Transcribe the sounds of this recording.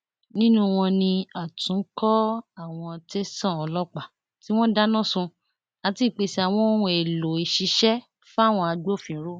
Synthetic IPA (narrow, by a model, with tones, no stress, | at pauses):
nĩ˦nũ˦w̃ɔ̃˧nĩ˧a˨tũ˨˦kɔ˦a˦˨w̃ɔ̃˧te˦sã˦˨ɔ˨˧lɔ˦k͡pa˨ | ti˦w̃ɔ̃˦da˦nã˦˨sũ˧ | a˧ti˦˨k͡pe˨˧si˧a˨w̃ɔ̃˧˦o˦ũ˧e˨lo˨i˨ʃi˧ʃɛ˦ | fa˦˨w̃ɔ̃˧a˧ɡ͡bo˦˨fĩ˨˦ɾo˦